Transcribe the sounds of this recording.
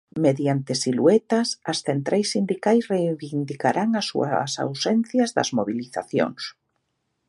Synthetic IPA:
meðjant̪esiluet̪asasθent̪ɾʔajsːind̪ikajsrejβind̪ikaɾʔaŋasːṵɐ̰sa̰wsɛn̟θjazðɐ̰zmoβiliθa̰θjo̰ŋs

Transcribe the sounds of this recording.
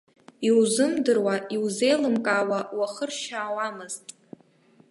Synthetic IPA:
iwzɨmdɨrwaiwze̞jlɨmkʼaːwawaχərʃaːwamɨz̥tʼ

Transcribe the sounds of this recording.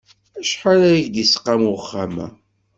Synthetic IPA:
æʃħaɾæjʝd̪isə̥qːamχːamæ̰

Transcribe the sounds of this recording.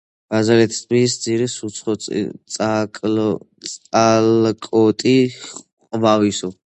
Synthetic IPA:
ɡ̥azaɾɛt̪ʰi̥st̪ʰmisd̪ziɾisut̪sʰχɔ̰akʼlʼ | alkʼɔt̪ʼiχ | qʼvavisɔ

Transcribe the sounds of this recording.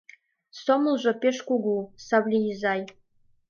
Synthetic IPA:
soməlˠʒɤ̆peʃkuɡusɑβlʲijizɑj

